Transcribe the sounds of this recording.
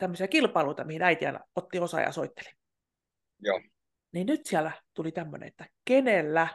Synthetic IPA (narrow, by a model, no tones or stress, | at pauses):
t̪æmːøsiɑkilpɑiluit̪ɑmihinæit̪iæ̰not̪ːiosɑ̰jɑ̰soit̪ːe̥li̥ | joː | ninnyt̪siælæt̪ulit̪æmːø̰nḛet̪ːækenelːæ